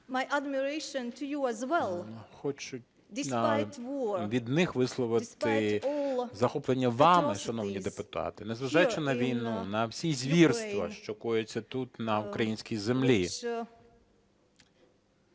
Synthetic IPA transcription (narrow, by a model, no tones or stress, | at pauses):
majʔadmiɹeɪʃɔ̃ntʰʊjuæzwɛlˠxɔt͡ʃʊ | dwɔʋʲid̪nɪxʋɪslˠɔʋɪt̪ɪɔlˠzɐxɔplˠenʲːɐʋɑmɪʃɐnɔwnʲid̪epʊt̪ɑ̰t̪ɪnɛzʋɐʒɑjt͡ʃɪnɐʋʲijnunɐwsʲizʲʋʲirst̪ʋɐʃt͡ʃɔkɔjet͡sʲːɐt̪ut̪nɐukɾɐjinʲsʲkʲijzemlʲi